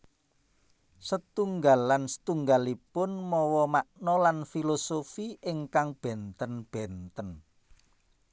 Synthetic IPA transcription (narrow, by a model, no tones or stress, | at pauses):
sət̪uŋɡalːansə̥t̪uŋɡalipʊnmɔwɔmaʔnɔlanfilosofiʔɪŋkaŋb̥ɛ̤nt̪ənb̥ɛnt̪ən